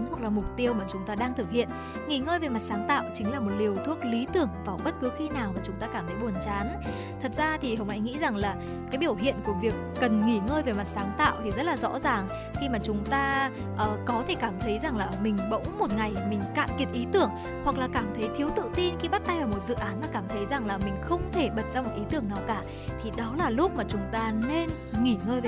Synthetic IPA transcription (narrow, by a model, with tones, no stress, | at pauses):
nhwa˨˩k̚laː˨˩mʊ˨˩k͡p̚t̪i˧əwmaː˨˩t͡ɕʊ˨˦ŋ͡mt̪aː˧ɗaː˧ŋt̪ʰɨ˨˩k̚hḭ˧˨ən | ŋi˧˩ŋəː˧jve˨˩ma˨˩t̚saː˨˦ŋt̪a̰ː˧˨wt͡ɕï˨˦ŋ̟laː˨˩mo˨˩t̚li˨˩əwt̪ʰu˦˥ək̚li˨˦t̪ɨ˨˩əŋvaː˨˩wɓə˦˥t̚kɨ˨˦əxi˧naː˨˩wmaː˨˩t͡ɕʊ˨˦ŋ͡mt̪aː˧kaː˧˩t̪ʰə˨˦jɓu˧˩ənt͡ɕaː˨˦n | t̪ʰə˨˩t̚zaː˧t̪ʰi˨˩ɦə˧wŋ͡mʔa˧jŋḭ˧˥za˨˩ŋlaː˨˩ | kaː˨˦jɓi˧˩əwɦḭ˧˨ənku˧˩əvi˨˩əkːə˨˩nŋi˧˩ŋəː˧jve˨˩ma˨˩t̚saː˨˦ŋt̪a̰ː˧˨wt̪ʰi˨˩zə˦˥t̚laː˨˩zɔ̰˧˥zaː˨˩ŋ | xi˧maː˨˩t͡ɕʊ˨˦ŋ͡mt̪aː˧ | ʔəː˨˩kɔ˨˦t̪ʰe˧˩kaː˧˩mt̪ʰə˨˦jza˨˩ŋlaː˨˩mï˨˩ŋ̟ɓə̰˧˥wŋ͡mmo˨˩t̚ŋa˨˩jmï˨˩ŋ̟ka̰ː˧˨mki˨˩ət̚ʔi˨˦t̪ɨ˧˩əŋ | hwa˨˩k̚laː˨˩kaː˧˩mt̪ʰə˨˦jt̪ʰi˨˦əwt̪ɨ̰˧˨t̪i˧nxi˧ɓa˦˥t̚t̪a˧jvaː˨˩mo˨˩t̚zɨ̰˧˨ʔaː˨˦nmaː˨˩kaː˧˩mt̪ʰə˨˦jza˨˩ŋlaː˨˩mï˨˩ŋ̟xə˧wŋ͡mt̪ʰe˧˩ɓə˨˩t̚za˧wmo˨˩t̚ʔi˨˦t̪ɨ˧˩əŋnaː˨˩wkaː˧˩ | t̪ʰi˨˩ɗɔ˨˦laː˨˩lʊ˦˥k͡p̚maː˨˩t͡ɕʊ˨˦ŋ͡mt̪aː˧ne˧n | ŋi˧˩ŋəː˧jve˨˩